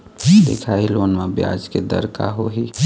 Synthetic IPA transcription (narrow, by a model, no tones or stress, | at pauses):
d̪ḛkʰailoːnmẽbja̰ːd͡ʒked̪ə̰ɾka̰ɦoɦi